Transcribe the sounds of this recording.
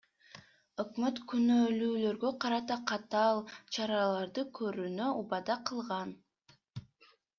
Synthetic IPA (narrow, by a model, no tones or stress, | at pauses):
ø̞kmøt̪kynøːlyːlø̞ɾɡøqʰɑɾɑt̪ɑqʰɑt̪ɑːlˠt͡ʃʰɑɾɑlˠɑɾd̪ɯkʰø̞ɾynø̞ubɑd̪ɑqʰɯlˠʁɑn